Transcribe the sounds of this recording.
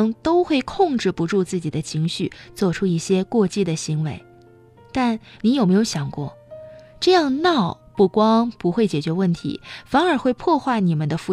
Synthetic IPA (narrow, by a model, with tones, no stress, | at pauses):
ŋt̪o˥ʊxwe˥˧ɪkʰʊ˥˧ŋʈ͡ʂɻ̩˥˩pu˧˥ʈ͡ʂu˥˧t͡sɹ̩˥˩t͡ɕi˨˩d̪ə˦t͡ɕʰi˧˥ŋɕy̰˥˧t͡swɔ˥˩ʈ͡ʂʰu˥i˥˩ɕjɛ˥kwɔ˥˧t͡ɕi˥˩d̪ə˩ɕi˧˥ŋwe˧˥ɪ | t̪a˥˩nni˧˥jo˨˩me˥ɪjo˧ʊɕjɑ˨˩ŋkwɔ̰˥˩ | ʈ͡ʂɤ˥˧jɑ˥˧ŋnɑ˥˩ʊ | pu˥˩kwɑ˥ŋpu˧˥xwe˥˩ɪt͡ɕjɛ˨˩t͡ɕɥɛ˧˥wə˥˩nt̪ʰḭ˧˥fa˧˥nə˞˨˩xwe˥˧ɪpʰwɔ˥˧xwa˥˩ɪni˨˩mə˦nd̪ə˧fu˧˥˩